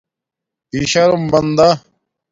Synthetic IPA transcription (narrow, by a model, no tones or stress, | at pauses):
iɕɐɾumbɐnd̪a